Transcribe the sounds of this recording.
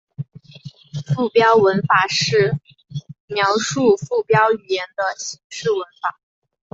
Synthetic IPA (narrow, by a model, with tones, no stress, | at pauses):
fu˥˩pjɑ˥ʊwə˧˥nfa˨˩ʂɻ̩˥˩ | mjɑ˧˥ʊʂu˥˧fu˥˩pjɑ˥ʊy˨˩jɛ˧˥nd̪ə˧ɕi˧˥ŋʂɻ̩˥˩wə˧˥nfa˨˩˦